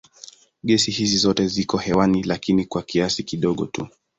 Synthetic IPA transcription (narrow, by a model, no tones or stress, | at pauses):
ɠɛsihizizɔtɛzikɔhɛwanilakinikwakiasikiɗɔɠɔ̰tṵ